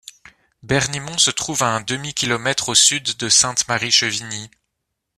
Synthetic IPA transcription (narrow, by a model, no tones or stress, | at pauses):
bɛʁnimɔ̃sət̪χuvaɛ̃d̪əmikʲilɔmɛt̪χosyd̪ːəsɛ̃t̪maʁiʃəvini